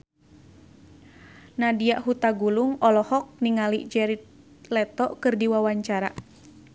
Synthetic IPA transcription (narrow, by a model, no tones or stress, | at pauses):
nadiaʔɦut̪aɡuluŋɔlɔhɔk̚niŋaliʔd͡ʒɛɾit̪̚ | lɛt̪ɔʔkɨrdiwawaɲt͡ʃaɾa̰